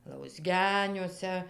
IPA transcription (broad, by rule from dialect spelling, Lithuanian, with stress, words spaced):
lˠɐʊzʲˈɡʲæːnʲuɔsʲɛ